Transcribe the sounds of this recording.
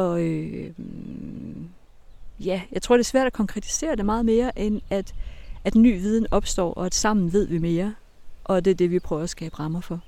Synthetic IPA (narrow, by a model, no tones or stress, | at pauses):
ɒ̽ø | jæjɑɪt͡sʰʁo̝̰d̥e̝sʋæɐ̰d̥ækʰɒ̽ŋkʰʁɛt͡sʰi̥se̝̰ːɐd̥e̝mɑ̈ːð̞̩ˠme̝ːɐʔenæd̥æd̥ny̰ːʋiːð̞ˠn̩ɒ̽b̥sd̥ɒ̰ːʔɒ̽æd̥sɑ̈m̰n̩ʋe̝ð̞̰ˠʋime̝ːɐ | ʔɒ̽d̥e̝ɐd̥e̝ʋipʰʁœːʊɐæsɡ̥ɛ̰ːb̥əʁɑ̈mɐfɒ̽